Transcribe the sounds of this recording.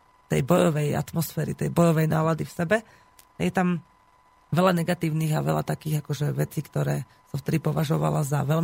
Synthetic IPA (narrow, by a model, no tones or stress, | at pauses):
t̪ɛ̰jbɔjɔʋɛja̰t̪mɔsfɛːɾit̪ɛjbɔjɔʋɛjnaːlad̪ifsɛbɛ | ajɛt̪am | ʋɛlanɛɡat̪iːʊniːɣaʋɛ̰la̰t̪akiːɣakɔʒɛʋɛt͡sikt̪ɔɾɛː | saft̪ɛd̪ipɔʋaʒɔʋa̰lazaʋɛl